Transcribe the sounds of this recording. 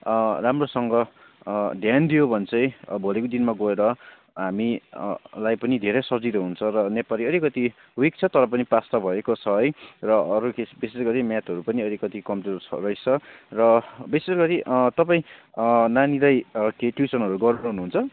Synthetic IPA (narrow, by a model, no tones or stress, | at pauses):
ramrosʌŋɡʌ | dʱjand̪ijobʱʌnt͡sʰʌj̃bʱolekod̪inmaɡʌeɾʌ | ɦami | lajpʌnid̪ʱeɾesʌd͡ziɾʌɦunt͡sʰʌɾʌnepaliʌɾikʌt̪i | wik̚t͡sʰʌt̪ʌɾʌp̬ʌnipast̪ʌbʱʌekot͡sʰʌʌjrʌʌɾukesbisesɡʌɾimjat̪ɦʌɾupʌniʌɾikʌt̪ikʌmʈit͡sʰʌ̰rʌjt͡sʰʌrʌbisesɡʌɾiʔt̪ʌpaĩnanilajkeʈjusʌnɦʌɾuɡʌɾuɾʌɦunuɦunt͡sʰʌ